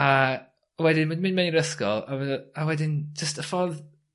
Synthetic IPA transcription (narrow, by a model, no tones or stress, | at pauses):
a | wɛdɪnədmɨnmɛniɾəskɔ̰lˠa̰wawɛdɪnd͡ʒəstəfɔð